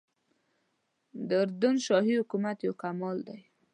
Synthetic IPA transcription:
d̪əʊɾd̪ənʃɑɦihʊkumat̪jawkamɔld̪aj

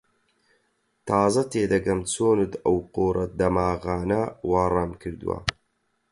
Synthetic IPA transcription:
t̪ʰaːzɐt̪ʰeːd̪ɐɡɐmt͡sʰoːnɨd̪ɐwqoːɾʔɐd̪ɐmaːɣɑːnɐwɑːrˤaːmkʰɨɾd̪ɨ̰wɐ̰

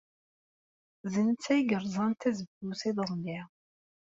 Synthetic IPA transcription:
zənt͡sːæjɡəɾˤzˤɑnt̪æzəbusiðˤəʁˤni

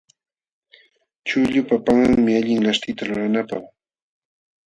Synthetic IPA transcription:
t͡ʃʊʎʊpapaŋaŋmɪaʎɪŋlast̪ɪt̪aɾʊɾanapɑχ

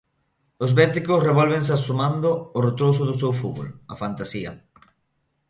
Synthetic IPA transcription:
ozβɛt̪ikosreβɔlβ̞ẽnsasumand̪ʊːret̪ɾowsoðʊs̬ewfuβo̰lafant̪asiɐ̰

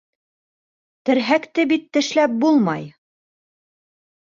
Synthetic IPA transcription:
t̪ɘ̆ɾɦækt̪ɘbit̪ːɘ̆ʃlæp̚bulˠmɑj

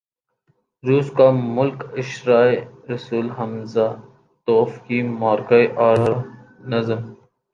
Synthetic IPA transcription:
ɾuːskamʊlkɪʃɾaːeɾɐsuːlɦɐmza | t̪oːfkiːmaːɾkajʔaːɽəɾ | nɐzəm

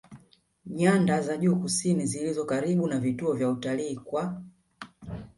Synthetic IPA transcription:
ɲandazaʄuːkusinizilizɔkaɾiɓunavituɔvjautaliːkwa

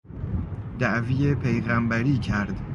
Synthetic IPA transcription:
d̪̥æʔviːepʰejɣæmbæɾiːcʰæɾd̪

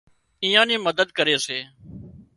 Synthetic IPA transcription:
iːãːnĩːməd̪əd̪̚kəɾeːseː

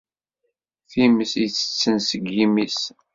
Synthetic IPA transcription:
θiməsjət͡sːə̥t͡sːənsəɡːimis

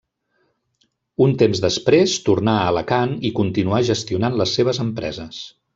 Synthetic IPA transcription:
unt̪emzd̪əspɾest̪urnaələkanikunt̪inuaʒəst̪iunanləsːeβ̞əzəmpɾɛ̰zəs

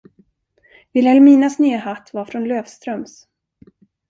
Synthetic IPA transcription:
vɪlhɛlmiːnasnyːahat̪ːvaɾfɾɔnløːvst̪ɾœms

